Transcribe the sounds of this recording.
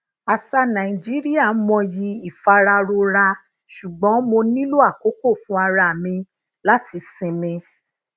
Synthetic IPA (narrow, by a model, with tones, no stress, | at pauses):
a˨sa˧nã˨i˨d͡ʒi˦ɾi˦a˦˨˦mɔ̃˧ji˧˦i˨fa˧ɾa˧ɾo˧ɾa˧ | ʃu˨ɡ͡bɔ̃˨˦mo˧nĩ˦lo˦a˦˨ko˨˦ko˦˨fũ˨˦a˧ɾa˧˨mĩ˧ | la˦ti˧sĩ˧mĩ˧